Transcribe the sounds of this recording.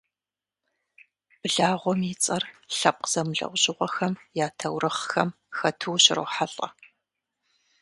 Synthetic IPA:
b̥ɨɮaːʁʷɔmit͡sʼɐrɬɐp̚qz̥ɐmɨɮɐ̰wʷʑʼɪʁʷɔxɐmjaːtʰɐwrɨχxɐm | xɐtʰɨwɕɪro̰ːħaɬʼɐ̰

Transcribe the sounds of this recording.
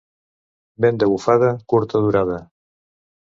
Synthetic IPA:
bɛnd̪eɣufað̞ɐkuɾt̪aðuɾað̞ɐ

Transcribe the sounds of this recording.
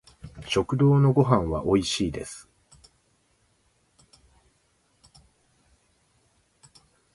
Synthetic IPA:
ɕo̞kɯ̟d̪o̞ːno̞ɡo̞ɦãɰ̃βa̰ʔo̞iɕiːd̪e̞sɨ̥

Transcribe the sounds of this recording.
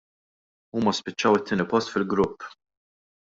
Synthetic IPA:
uːmɐspɪt͡ʃːɐwɪt̪ːɪːnɪpɔst̪fɪlɡɾʊpː

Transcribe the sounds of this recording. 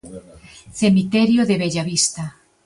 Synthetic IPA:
θemit̪ɛɾjoðeβeʎaβist̪a

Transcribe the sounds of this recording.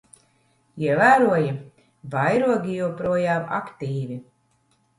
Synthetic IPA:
iɛvæːɾuɔji | vajɾuɔɡʲijɛwpɾuɔjaːma̰kt̪iːvi

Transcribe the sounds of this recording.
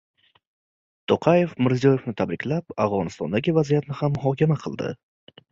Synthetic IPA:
t̪ʰoqʰaje̞fmɪɾzijɒje̞fnɪt̪ʰabɾɪkʲlapavʁɒnɪst̪ɒnd̪aɡʲɪvazijat̪nɪhamːʊɦɒkʲʰamaqʰɨlˠd̪ɪ̰

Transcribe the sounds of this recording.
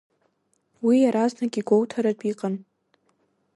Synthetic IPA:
wijaɾaznaɡʲiɡʷowtʰaɾadʷʼiqʼan

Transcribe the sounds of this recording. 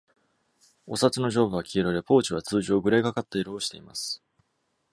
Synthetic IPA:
o̞sat͡sɨno̞ʑo̞ːbɯ̟βakʲʰiːɾoɾe̞po̞ːt͡ɕiβat͡sɨːʑo̞ːɡɯ̟ɾeɡakat̪ːeiɾoːɕi̥t̪e̞̰imasɨ̥

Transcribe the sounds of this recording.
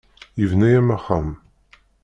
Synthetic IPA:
jivnæjæmæχːam

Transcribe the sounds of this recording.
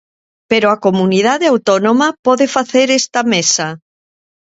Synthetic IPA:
peɾoakomunið̞aðeawt̪ɔnomapɔðefaθeɾest̪ɐmesa

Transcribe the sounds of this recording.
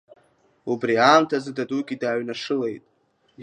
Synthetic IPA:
ubriaːmtʰazɨdaduɡʲidaːɥnaʂɨle̞jtʼ

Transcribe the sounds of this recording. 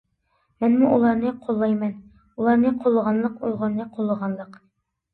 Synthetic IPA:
mɛnmuʔulˠɑɾnɨqʰolˠːɑjmɛn | ulˠɑɾnɨqʰolˠːəʁɑnlˠəqolˠʁɑnnɨqʰolˠːəʁɑnlˠəq

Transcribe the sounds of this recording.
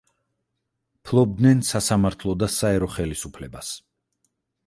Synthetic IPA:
pʰlˠɔb̚d̪nɛnsasamaɾt̪ʰlˠɔd̪asaɛɾɔχɛlisupʰlɛbas

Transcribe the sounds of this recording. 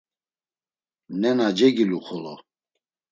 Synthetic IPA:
nɛnad͡ʒɛɡiluχɔlɔ

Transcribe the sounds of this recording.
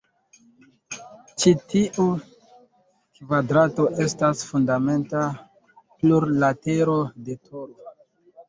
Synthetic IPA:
t͡ʃitiʔu | kvadɾato̞ʔe̞stasfundame̞nta | pluɾlate̞ɾo̞de̞tʰoɾ

